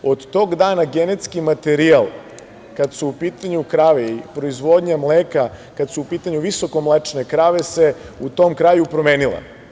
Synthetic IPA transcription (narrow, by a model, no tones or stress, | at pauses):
o̞d̪t̪o̞ːɡd̪aːnaɡenet̪skimat̪eɾialˠ | kad̪suupiːt̪aɲukɾaːʋeipɾo̞izʋo̞d̪ɲamleːkakad̪suupiːt̪aɲuʋiso̞ko̞mlet͡ʃne̞kɾaːʋe̞se̞ | ut̪o̞mkɾaːjupɾo̞me̞ːnilˠa̰